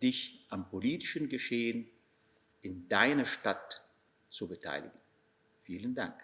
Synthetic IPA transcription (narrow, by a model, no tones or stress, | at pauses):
d̥ɪçʔampʰoliːtɪʃnɡəʃeːən | ʔɪndaɪnɐʃtat | t͡subətʰa̰ɪlɪ̰ɡən̩ | fiːləndaŋk